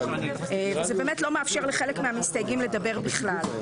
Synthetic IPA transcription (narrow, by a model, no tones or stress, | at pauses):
vezebeːmetlo̞meafʃe̞ʁleχelekmeamistajɡimle̞d̪abe̞ʁbiχlal